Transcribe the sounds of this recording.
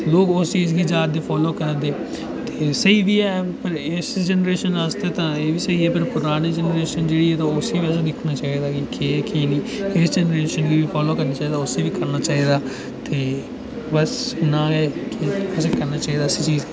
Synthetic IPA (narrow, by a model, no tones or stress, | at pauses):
tːloːkʊst͡ʃiːzɡiːd͡ʒaːd̪eːpʰɔːloːkəɾd̪eː | t̪eːsəiːʋiːɛːpəɾɪsd͡ʒɛnəɾeːʃənast̪eːt̪ãːeːʋiːsəiːɛːpɪɾpʊɾaːɽ̃eːd͡ʒɛnəɾeːʃənd͡ʒeːɽiːɛːt̪ãʊsiːʋɛːsed̪ɪkʰnaːt͡ʃaːiːd̪aːkikeːkiːniːɪsd͡ʒɛnɾeːʃənɡiːʋiːpʰɔːloːkəɾnaːt͡ʃaːiːd̪aːʊseːʋiːkəɾnaːt͡ʃaːɦiːd̪aː | t̪eː | bəsnãːɦɛːkiʊsekəɾnaːt͡ʃaːiːd̪aːsit͡ʃiːz